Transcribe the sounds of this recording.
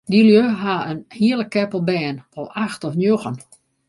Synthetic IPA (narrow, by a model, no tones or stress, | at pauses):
dilˠjøɦaənhiələkːɛpəlˠbɛːnʋɔlˠaxtɔfnjoxən